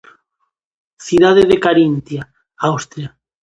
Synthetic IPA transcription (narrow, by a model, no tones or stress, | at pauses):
θiðaðeðekaɾint̪ja | awst̪ɾja